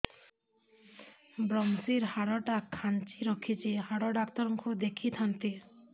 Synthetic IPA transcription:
bɾɔmsiɾhaɽɔʈakʰːant͡ʃiɾɔkʰit͡ʃʰihaɽɔɖakt̪ɔɾɔŋkud̪ekʰit̪ʰant̪i

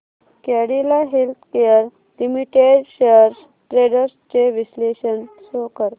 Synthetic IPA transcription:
kɛɽilaɦelt̪ʰkejəɾ | limiʈeɖɕejəɾs | ʈɾeɽəɾst͡ɕeʋisleɕənsokəɾ

